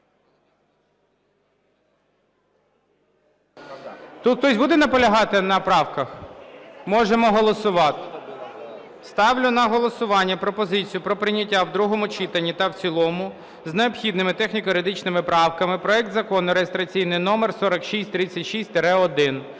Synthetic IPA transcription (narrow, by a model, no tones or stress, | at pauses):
t̪ut̪xt̪ɔsʲbud̪ɛnɐpɔlʲɐɦɑt̪ɪnɐpɾɑwkɐx | mɔʒemɔɦɔlˠɔsʊʋɑt̪ | st̪ɑwlʲʊnɐɦɔlˠɔsʊʋɑnʲːɐpɾɔpɔzɪt͡sʲijʊpɾɔpɾɪnʲɐtʲːawd̪ɾuɦɔmʊt͡ʃit̪ɐnʲːit̪ɐwt͡sʲilˠɔmʊ | zneɔpxʲid̪nɪmɪt̪ɛxnʲikɔɾed̪ɪt͡ʃnɪmɪpɾɑwkɐmɪpɾɔɛk̚t̪zɐkɔnʊɾejest̪ɾɐt͡sʲijnɪjnɔmersɔɾɐkʃisʲtʲt̪ɾɪt͡sʲːɐtʲʃisʲt̪ʲɾɛɔd̪ɪn